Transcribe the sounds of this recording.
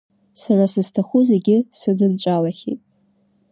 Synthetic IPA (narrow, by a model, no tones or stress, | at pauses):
sarasɨz̥tʰaχuzeɡʲɪsɨdɨnt͡ʃʷʼalaχʲḭtʼ